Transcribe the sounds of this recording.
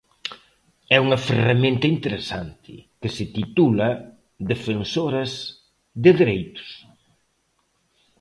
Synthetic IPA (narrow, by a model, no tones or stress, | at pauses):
ɛuŋɐferamẽnt̪ɐint̪eɾesant̪ʰɪkɪsɪt̪it̪ulɐ | ðefensoɾɐz | ðɪðeɾejt̪ʊ̥s